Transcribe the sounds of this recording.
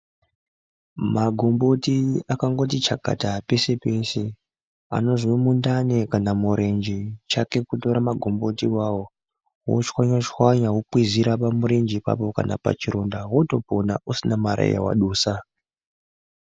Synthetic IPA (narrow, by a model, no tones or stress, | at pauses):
maɡʱombo̞tiakaŋɡo̞tit͡ʃaɡ̥ʱa̰tape̞se̞pe̞se̞ | a̰no̞ziwemundanekanamuɾʔe̞nd͡ʒit͡ʃake̞kuto̞ɾamaɡʱombo̞tiwawo | wo̰t͡ʃwaɲat͡ʃwaɲaɦwupwiziɾapamuɾe̞nd͡ʒipa̰po̞ka̰na̰pa̰t͡ʃiɾondawoto̞pona̰usinamaɾa̰ḭja̰wa̰ɗuːsa